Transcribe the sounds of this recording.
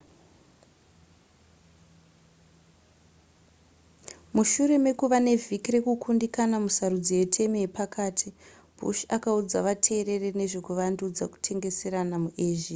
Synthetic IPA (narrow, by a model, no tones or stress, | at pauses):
muʃure̞me̞kuʋane̞vʱikire̞kukʰundikanamusarud͡zijetʰe̞mijepakʰaːtʰi | b̥ʱṵʃakaud͡zaʋatʰe̞ːɾe̞rene̞ʐe̞kuʋandud͡zaku̥tʰe̞ŋɡe̞se̞ɾanamuʔeːʒi